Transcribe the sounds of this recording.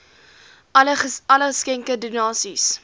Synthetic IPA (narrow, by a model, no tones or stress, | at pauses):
lɐləχəskɛŋkədynɑːsis